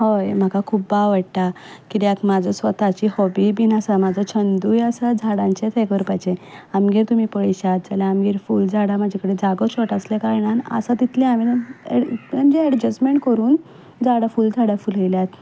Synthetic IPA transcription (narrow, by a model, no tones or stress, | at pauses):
ɦojm̤akakʰuːpbaʋəʈʈ̪a | kiɾjakmad͡zʱəsʋət̪at͡ɕiːhɔbibinasamad͡zʱət͡ɕʰənd̪uːjasad͡zʱaɽãɲt͡ɕet̪ʰekʋəɾpajt͡ɕeamɡeɾt̪um̤iːpəɭiɕat̪̚d͡zalaamɡiɾfuːld͡zʱaɽamad͡ʑʱekəɽed͡zaɡət͡ɕɔʈaslekaɾɳanə̰sat̪it̪ʰleamin | mamd͡ʑeːɽd͡ʑəsmeɳʈ̚kəɾuːn | d͡zʱaɽafuːld͡zʱaɽafuləjljat̪